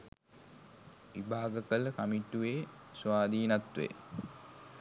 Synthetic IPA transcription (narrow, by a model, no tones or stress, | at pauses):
ʋibʱaːɡəkələkamiʈːuʋeː | sʋaːd̪iːnat̪ʋḛ